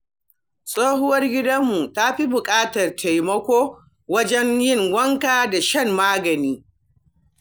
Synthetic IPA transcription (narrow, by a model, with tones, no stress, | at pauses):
sʼoː˦hʊ˦wɐ˦rɡʲɪ˦dɐ˦mːu˨ta˦ɸi˦bʊ˨kʼaː˦tɐ˨rtʰa˨jmɐ˦kʷoː˦ | wɐ˦d͡ʒɛ˦njɪ˦˨ŋwɐ˦ŋkaː˨da˨ʃɐ˦˨mːaː˦ɡɐ˨niː˦